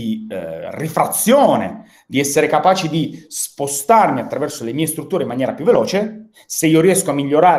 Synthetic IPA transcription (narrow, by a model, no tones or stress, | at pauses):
irifɾat̪sːjoːnḛ | d̪iɛsːeɾekapaːt͡ʃid̪ispost̪armiat̪ːɾavɛrsolemiːest̪ɾut̪ːuːɾeimːanjɛːɾapjuvːelɔːt͡ʃe | seiːoɾiɛskoamːiʎːoɾaː